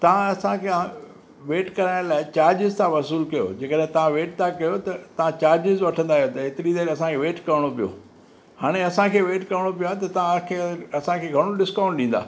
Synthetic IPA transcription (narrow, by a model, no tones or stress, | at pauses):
t̪ɐʋ̤ãɐsãkʰã | ʋeːʈkɐɾaːɪ̃laːɪt͡ɕaːɾd͡ʑɪzt̪ʰãʋɐsuːlkɐjo̰d͡ʑeːkəɗɦɛ̃t̪ɐʋ̤ãʋeːʈ̚t̪ʰakɐjot̪ɐt̪ɐʋ̤ãt͡ɕaːɾd͡ʑɪzʋɐʈʰə̃nd̪aːɦijot̪ɐɦɪt̪ɪɾid̪eːɾɐsãkʰeːʋeːʈkɐɾɪɽ̃opijo̰ː | haːɽ̃eɐsãkʰeːʋeːʈkɐɾɪɽ̃opijoaɦet̪ɐt̪ɐʋãkʰeːɐsãkʰeːɡʱɐɽ̃oɖɪskãːʊ̃ɳʈ̚ɗĩːnd̪a̰ː